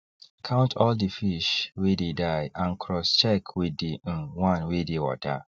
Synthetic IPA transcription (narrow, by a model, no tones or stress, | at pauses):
kʰãʊ̃ntʰɔldifiʃwededaɪãnkʰɾɔst͡ʃɛkʰweden̩wãnwedewɔ̰ta̰